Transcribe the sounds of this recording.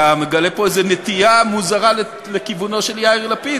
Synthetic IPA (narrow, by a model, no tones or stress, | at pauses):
ame̞ɡale̞po̞ezenet̪iamuzaʁale | lekivuno̞ʃe̞ljaiʁlapi